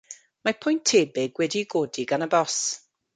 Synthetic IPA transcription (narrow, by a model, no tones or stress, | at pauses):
mapʰʊjntʰeːbɪɡwɛdiɡoːdiɡanəbɔs